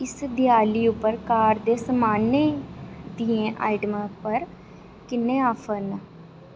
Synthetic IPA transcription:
ɪsd̪ɪjaːliːʊpːəɾkaːɾd̪eːsəmaːneːd̪iẽːʔa̰ːɪɖmapəɾ | kɪnːẽːaːpʰən

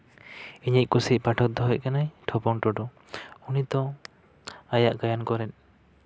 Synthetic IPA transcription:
iɲic̚ˀkusic̚paʈʰɔk̚d̪ɔɦɔc̚kanajʈʰɔpɔŋʈɔɖɔ | unit̪ɔ | ajaʔɡajankɔɾɛn

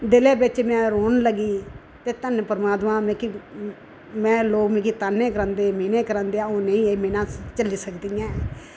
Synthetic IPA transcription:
d̪ɪlẽːbɪt͡ʃmɛ̃ːɾoːnləɡiː | t̪eːt̪ənpəɾmaːt̪mãːmẽːki | mɛ̃ːloːkmẽːkiːt̪aːnːẽːkəɾə̃ːnd̪eːmeːnẽːkəɾãːnd̪eːaːoːnəĩːemeːnãːt͡ʃəliːsəkd̪iːjãː

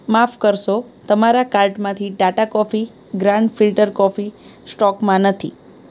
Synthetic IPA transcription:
mafkəɾʃo | t̪əmaɾakaɾʈmãt̪ʰiɖaʈakɔfi | ɡɾãɳɖfilʈəɾkɔfisʈɔkmãnət̪ʰḭ

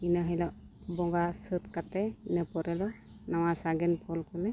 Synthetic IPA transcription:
inəɦəjlɔʔ | bɔŋɡasɯt̪kat̪ɛinəpɔɾɛlɔ | nawasaɡɛnpʰɔlkɔlɛ

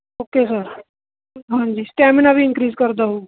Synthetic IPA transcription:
okesəɾ | ɦãɲd͡ʑiːsʈaminaʋʱiɪ̃nkɾiːd͡zkəɾd̪aɦo

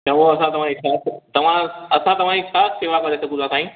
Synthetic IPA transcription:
jãoɐsãt̪ɐʋ̤ãd͡ʑisaːst̪ɐʋ̤ãɐsãt̪ɐʋ̤ãd͡ʑisʰaːsseːʋakɐɾesɐkũd̪at̪ʰaːɦĩ

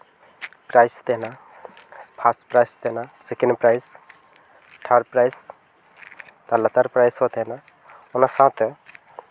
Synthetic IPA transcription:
pɾajst̪eɦna | pʰasʈpɾajst̪enasekenɖpɾajs | t̪ʰəɖpɾajs | t̪alət̪əɾpɾajsot̪eɦna | unasãt̪

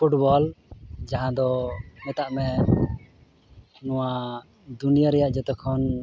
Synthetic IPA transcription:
pʰuʈbɔld͡ʒaɦãd̪ɔmɛt̪aʔmɛ | nɔ̃wa | d̪unijaɾɛjaʔd͡ʒɔt̪ɔkʰɔn

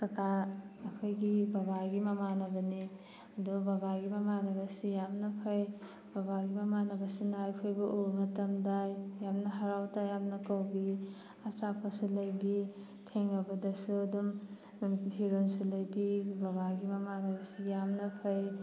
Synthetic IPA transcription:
kɐkaɐkʰojɡibɐbaɡimɐmanɐbɐni | ɐdubabaɡimɐmanɐbɐsijamnɐpʰɐj | babaɡimɐmanɐbɐsinajkʰojbɐʔumɐtɐmdajːamnɐɦɐɾawtajamnɐkɐwbi | ɐsapʰɐsulɐjbi | tʰeŋlɐbɐdɐsuɐdum | pʰiɾonsulɐjbibabaɡimɐmanɐbɐsijamnɐpʰɐj

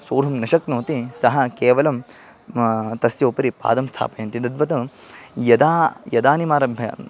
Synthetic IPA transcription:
soːɾɦɐmnɐʃɐknoːt̪isɐɦɐkeːʋɐlɐm | t̪ɐsjɐːpɐɾipa̰ːd̪ɐmst̪ʰa̰ːpɐjɐnt̪id̪ɐd̪ʋɐt̪ɐ | jɐd̪aːjɐd̪aːnimaːɾɐbʱjɐ̰

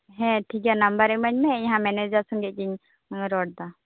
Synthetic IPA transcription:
ɦɛ̃ʈʰikanambaɾɛmaɲmɛɛɲɦãmɛnɛd͡ʒasɔŋɡɛʔ̚ɡiɲ | ɾɔɽ̚d̪a

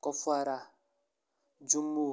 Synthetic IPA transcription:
kɔfaɾa | d͡ʒũmbo

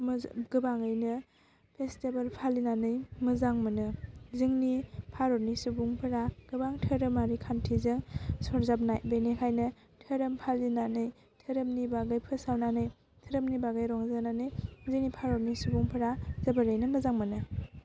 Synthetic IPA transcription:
mɡɯbaŋɯjnɯ | pʰestebalpʰalinanɯjmɯzaŋmɯnɯzɯŋnipʰaɾɔɾnisubuŋpʰɯɾaɡ̥ɯbaŋtʰɯɾɯmaɾikʰantʰizɯŋsɔɾzap̚naj̚benekʰajnɯ | tʰɯɾɯmpʰalinanɯj | tʰɯɾɯmnibaɡɯjpʰɯsawnanɯj | tʰɯɾɯmnibaɡajɾɔŋzananɯjzɯŋnipʰaɾɔɾnisubuŋpʰɯɾazɐbɯɾɯjnɯmɯzaŋmɯnɯ

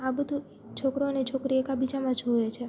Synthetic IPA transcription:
abəd̪ʱu | t͡ʃʰokɾoənet͡ʃʰokɾiekabid͡ʒamãd͡ʒʱojet͡ʃʰe

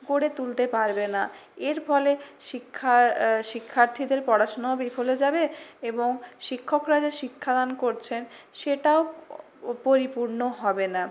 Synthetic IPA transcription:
ɡoɽet̪ult̪epaɾbenaeɾfɔleʃikʰːaʃikʰːaɾt̪ʰid̪eɾpɔɽaʃonaobifʰoled͡ʑabeeboŋʃikʰːokɾad͡ʑaʃikʰːad̪ankoɾt͡ɕʰenʃeʈao | poɾipuɾnoɦɔbena

